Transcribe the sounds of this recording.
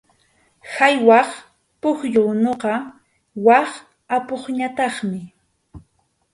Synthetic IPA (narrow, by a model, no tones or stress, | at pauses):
hajwɑχ | pʊxʎʊnoqɑ | wɑχ | apoχɲat̪ɑχmɪ